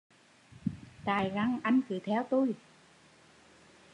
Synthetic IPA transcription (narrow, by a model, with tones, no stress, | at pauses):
t̪aː˨˩jɣa˧ŋʔa˧jŋ̟kɨ˨˩˦t̪ʰɛ˧˥wt̪u˧j